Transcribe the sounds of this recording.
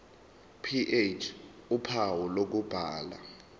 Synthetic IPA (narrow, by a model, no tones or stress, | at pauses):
pʰiʔet͡ʃʰ | upʰawɔlok̬ub̥ʱaːla̰